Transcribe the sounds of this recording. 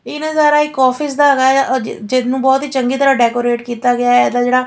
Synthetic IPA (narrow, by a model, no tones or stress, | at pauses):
ɪnãːzaːɾaːɪkːɔːfʰɪs̬d̪aːɡaːd͡ʒɪd̪nũːbɔːt̪ɦiːt͡ʃəŋɡiːt̪əɾaːɖɛːkoːɾeːʈkiːt̪aːɡɪjaːɛːd̪aːd͡ʒeːɽaː